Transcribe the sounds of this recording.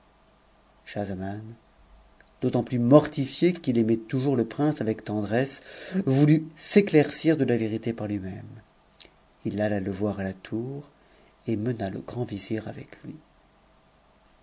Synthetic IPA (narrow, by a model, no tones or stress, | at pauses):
ʃazaman | d̪̥ot̪ɑ̃plymɔʁt̪ifjekilemɛt̪uʒuʁləpχɛ̃savɛkt̪ɑ̃d̪ʁɛsvulyseklɛʁsiʁd̪əlaveʁit̪epaʁlɥimɛm | ilalaləvwaʁalat̪ʰuʁ | emənalə̰ɡʁɑ̃viziʁavɛklɥi